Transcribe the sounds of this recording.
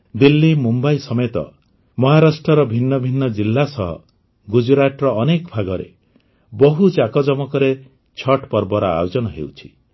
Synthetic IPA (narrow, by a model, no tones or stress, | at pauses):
d̪ilːimumbajsɔmet̪ɔ̰ | mɔɦaɾasʈɾɔɾɔbʱinːɔbʱinːɔd͡ʒilːasɔɦɔ̰ | ɡud͡ʒɾaʈɾɔːnekɔbʱaɡɔɾḛ | bɔɦut͡ʃakɔd͡ʒɔmɔkɔɾe | t͡ʃʰɔʈpɔɾbɔɾɔa̰jod͡ʒɔnɔɦḛwt͡ʃʰi̥